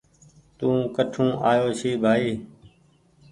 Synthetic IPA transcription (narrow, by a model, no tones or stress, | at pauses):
t̪ũːkəʈʰũːʔaːjoːʃiːbʱaːiː